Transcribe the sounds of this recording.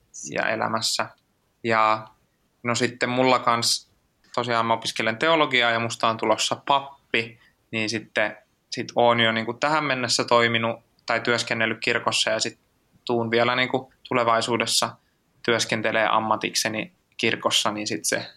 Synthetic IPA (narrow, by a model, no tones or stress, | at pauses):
jɑ̰ḛlæ̰mæsːæ | jɑ | nosit̪ːemmulːɑkɑns | t̪osiɑːmmɑopiskelent̪eoloɡiɑːjɑmust̪ɑːnt̪ulosːɑpɑpːi | niːnsit̪ːe | sit̪oːnjoniːŋkut̪æhæmmenːesːæt̪oiminu | t̪ɑit̪yøskenːelːykkirkosːɑjɑsit̪ | t̪uːnʋiælæniːŋkut̪uleʋɑisuːdesːɑ | t̪yøskent̪eleːʔɑ̰mːɑt̪ikseni | kirkosːɑniːnsit̪sḛ